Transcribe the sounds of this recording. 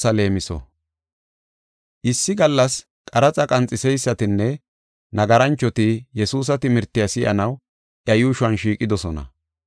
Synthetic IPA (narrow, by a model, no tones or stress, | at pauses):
sɐle̞ːmɪsɔ̰ | ʔɪsːɪɡɐlːɐs | kʼɐɾɐt͡sʼɐkʼɐnt͡sʼɪsɛjsːɐt̪ɪnːɛ | nɐɡɐɾɐnt͡ʃːɔt̪ɪjɛsuːs̬ɐt̪ɪmɪɾt̪ːɪjɐsɪʔɐ̰nɐw | ʔjɐjʊːʃʊɐnʃiːkʼːɪd̪ɔsɔnɐ̰